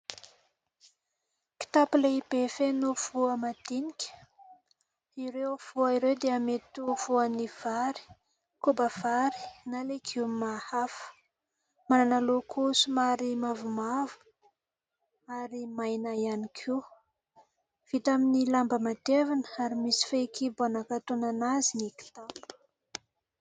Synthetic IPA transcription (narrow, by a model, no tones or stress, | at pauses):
ki̥t̪apileibefenuv̥uəmad̪̥inikʲə̥ | iɾewv̥uaiɾewd̪eamet̪uv̥uaniv̥aɾi̥ | kubav̥aɾi̥nalekʰimahafə̥ | mananalokʰusumaɾimavumavu̥ | aɾimajnajanikʰiw | v̥it̪aminilambəmat̪evanəaɾimisi̥fekʰibanakat̪onanaziniki̥t̪ambu̥